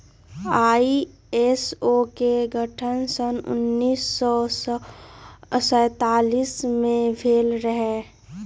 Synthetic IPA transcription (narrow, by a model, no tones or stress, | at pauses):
aːi | esokeɡʱəʈʰənsənʊ̰nːiːsːɔ | sə̃ːt̪aːliːsmẽbʱeːlɾəɦɛː